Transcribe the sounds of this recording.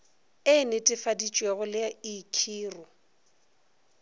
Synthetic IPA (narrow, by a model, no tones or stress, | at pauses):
ɪnɪtʼɪfadit͡ʃʼweɣʊlɪaikʰiːrʊ